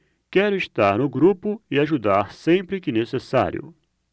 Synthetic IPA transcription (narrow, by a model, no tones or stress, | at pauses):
kɛɾʊist̪aɾnʊɡɾupʊɪaʒud̪aɾsẽmpɾɪkɪnesesa̰ɾjʊ̰